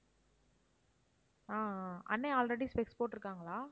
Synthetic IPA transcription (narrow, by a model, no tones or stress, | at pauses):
aːɐ̰nːẽaːlɾɛɽispɛkspoːʈːɪɾɯkːaːŋɡɐɭaː